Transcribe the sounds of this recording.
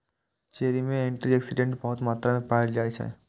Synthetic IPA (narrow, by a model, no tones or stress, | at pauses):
t͡ʃeːɾimẽẽɳʈɾiɛksɪɖẽɳʈbɐɦʊt̪maːt̪ɾamẽpaːɾd͡ʒaːet͡ʃʰɛ̰ː